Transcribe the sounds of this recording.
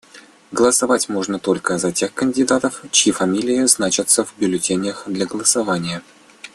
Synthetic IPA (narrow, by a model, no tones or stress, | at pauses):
ɡəlˠəsavatʲmoʐnət̪o̞lʲkəzɐtʲe̞xkənʲdʲɪd̪at̪əft͡ɕjifɐmʲilʲɪjɪznat͡ɕɪt̪səvbʲʊlʲɪtʲenʲɪəxd̪lʲɐɡəlˠəsavanʲɪjə